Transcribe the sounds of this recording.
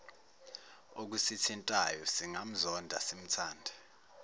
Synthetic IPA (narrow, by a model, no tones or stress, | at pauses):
ok̬usitʰintʼajɔsiŋam̩zɔndʱa̰sim̩tʰaːndʱɛ